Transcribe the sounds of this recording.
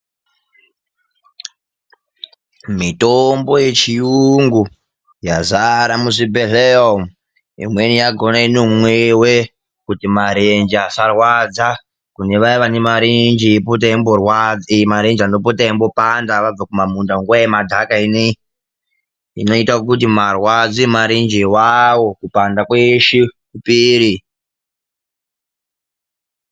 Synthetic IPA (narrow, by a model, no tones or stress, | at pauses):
mito̞mbo̞je̞t͡ʃiuŋɡu | jazaɾamuʐibʱeɮeom | ḭmwenijaɡʱo̞nainomwewe̞ | kutimaɾend͡ʒiasarwad͡za | kune̞ʋaiʋanemaɾend͡ʒiipot̬aimborwad͡zimaɾe̞nd͡ʒianopotaimbopandaʋab͡vakumamundaŋɡuaemadʱakaine | ḭno̞itakut̬imarwad͡zimaɾind͡ʒiwawo̞kupandakweʃikupiːɾi